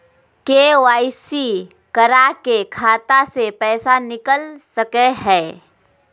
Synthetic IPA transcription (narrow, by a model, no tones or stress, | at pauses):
keːwaːisi | kəɾakekʰaːt̪asepɛːsanɪkəlsəkeɦɛː